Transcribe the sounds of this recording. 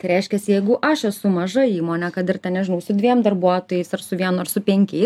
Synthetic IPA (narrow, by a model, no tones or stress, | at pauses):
t̪ɐɪɾʲɛɪʃʲkʲɛsʲɪjɛɪɡʊʔɐʃɛsʊmɐʒɐiːmoːnʲɛkɐt̪ɪrt̪ʲɛnnʲɛʒʲɪnɐʊsʊd̪ʲʋʲiɛmd̪ɐrbuɔt̪oːjɛɪsɐrsʊʋʲiɛnʊɐrsʊpʲɛŋʲkʲɛɪs